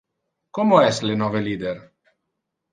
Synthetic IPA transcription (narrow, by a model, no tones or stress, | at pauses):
komoɛslenɔveliːd̪er